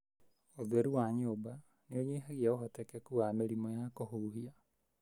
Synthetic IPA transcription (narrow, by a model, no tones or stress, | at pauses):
oðwɛɾuwaɲoːba | neoɲeːɦaɣiaoɦɔtɛkɛkuameɾimɔjakoɦuɦia